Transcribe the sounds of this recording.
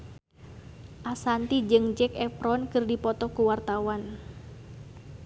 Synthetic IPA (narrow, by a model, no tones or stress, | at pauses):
ʔasant̪id͡ʒɨŋd͡ʒɛkɛpɾɔnkɨrdipɔt̪ɔkuwart̪awan